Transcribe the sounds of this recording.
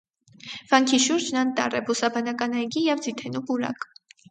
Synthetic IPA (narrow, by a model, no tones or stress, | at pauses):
v̥ɑŋkʰiʃuɾd͡ʒnɑnt̪ɑ̰rɛbusɑbɑnɑkɑnɑjɡijɛvd͡zit̪ʰɛnupuɾɑ̰k